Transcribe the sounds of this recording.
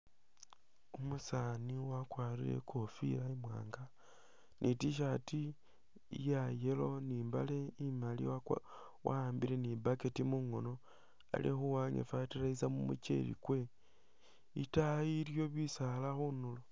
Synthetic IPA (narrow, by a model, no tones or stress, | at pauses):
umusaniwakwaːɾile̞̰kʰofḭlaimwa̰ːŋɡa | nʔitiʃ̬ati | jajelo̞niːmba̰le̞imalḭa | wʔa̰aːmbile̞nibaketimuŋono̞ | a̰lḭxuwaɲḛfatiɾaizamumṵt͡ʃḛɾḭkwe̞ | itaiɾjo̞βisalaxunulo